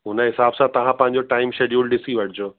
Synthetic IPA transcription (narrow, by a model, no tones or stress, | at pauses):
ɦʊnɦɪsaːbsãt̪ɐʋ̤ãpɐ̃ɦɪ̃ɲ̆d͡ʑoʈaːɪmʃed͡ʑuːlɗɪsiʋɐʈʰɪd͡ʑoː